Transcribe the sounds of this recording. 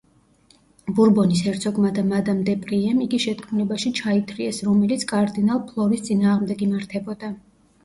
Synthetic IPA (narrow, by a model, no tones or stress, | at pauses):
buɾbɔnisɛɾt̪sʰɔɡmad̪amad̪amd̪ɛpʼɾiɛmiɡiʃɛt̪̚ʼkʰmulɛbaʃit͡ʃʰait̪ʰɾiɛsɾɔmɛlit̪sʰkʼaɾd̪inalˠpʰlˠɔɾist̪sʼinaːʁmd̪ɛɡimaɾt̪ʰɛbɔd̪a